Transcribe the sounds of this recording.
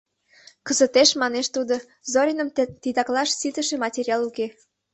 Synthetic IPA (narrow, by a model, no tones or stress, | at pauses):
kəzət̪eʃmɑneʃt̪ud̪o | zoɾʲinəmt̪id̪ɑklɑʃsit̪əʃemɑtʲeɾʲiɑluke